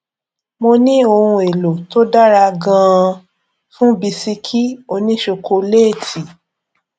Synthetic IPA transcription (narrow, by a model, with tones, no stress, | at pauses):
mo˧nĩ˦o˧hũ˧e˨lo˨to˦da˦ɾa˧ɡã˦˧ | fũ˦bi˧si˧kʰi˦o˧nĩ˦ʃo˧kʰo˧le˦˨tʰi˨